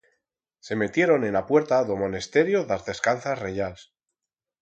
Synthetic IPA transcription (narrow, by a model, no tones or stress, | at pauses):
se̞me̞t̪je̞ɾo̞ne̞nlapwe̞ɾt̪aðomo̞nest̪e̞ɾjoðazðe̞skanθasre̞ʝals